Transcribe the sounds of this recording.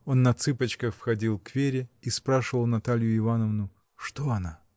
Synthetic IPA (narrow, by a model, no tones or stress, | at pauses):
o̞nːɐt̪sɨpət͡ɕkəxfxɐdʲilˠkvʲeɾʲɪispɾaʂɨvəlˠnɐt̪alʲjʊɪvanəvnʊ | ʂt̪oɐna